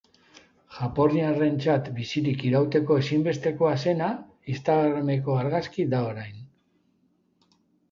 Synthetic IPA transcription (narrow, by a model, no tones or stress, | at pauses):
ʝapo̞ɾiare̞nt͡sat̪bisiɾikiɾawt̪e̞ko̞e̞simbe̞st̪e̞ko̞ase̞na | ist̪aɣɾame̞ko̞aɾɣaskid̪ao̞ɾajn